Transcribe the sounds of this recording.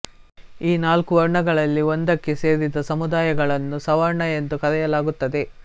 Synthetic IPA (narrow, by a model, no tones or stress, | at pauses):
iːnaːlkuʋɐɾɳɐɡɐɭɐlːiond̪ɐkːe̞se̞ːɾid̪ɐsɐmud̪aːjɐɡɐɭɐnːusɐʋɐɾɳɐjend̪ukɐd̪ɛjɐlaːɡut̪ːɐd̪e̞